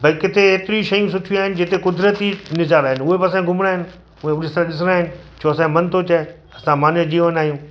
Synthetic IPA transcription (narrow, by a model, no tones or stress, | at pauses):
bʱɐikɪt̪ʰeɦeːt̪ɪɾiʃɐjũs̬ʊʈʰĩaːɦɪnɪ̆d͡ʑet̪ekʊd̪ɾət̪inɪzaːɾaːɦɪnɪʊɦebɐsãɡʱʊmɽ̃aːɦɪnɪ̆ | uẽʊɗɪst̪ɾãɗɪs̬ɽaːɦɪnɪ̆ | t͡ʃʰoːɐsãmɐnt̪ʰot͡ɕae | ɐsãmaːnẽd͡ʑiːʋənaːɦjũː